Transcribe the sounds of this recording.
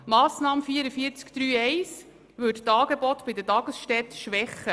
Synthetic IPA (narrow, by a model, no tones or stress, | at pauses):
mɑːsnɑːməfiəɾəfiəɾt͡skd̥̪ɾyːɛɪs | ʋɵttɑːɡebɔt̪b̥ɪd̪ətɑɡəsʃtɛt̪ʃʋɛχːə